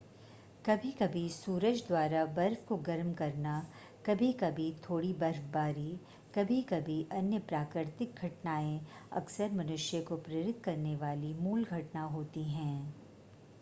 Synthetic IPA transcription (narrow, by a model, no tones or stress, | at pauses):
kɐbʱikɐbʱisuːɾəd͡ʒd̪waːɾabɐɾfkoɡɐɾmkɐɾna | kɐbʱikɐbʱit̪ʰoːɽibɐɾfbaːɾi | kɐbʱikɐbʱiʔɐnjəpɾaːkɾɪɾt̪ɪk̚ɡʱɐʈnaːẽɐ̰ksəɾmɐnʊʃjəkopɾeɾɪt̪̚ʰːkɐɾneʋaːlimuːlɡʱɐʈnaɦoːt̪iɦɛ̃ː